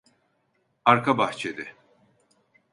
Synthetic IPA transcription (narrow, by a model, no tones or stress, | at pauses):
aɾkʰabaht͡ʃʰed̪ɪ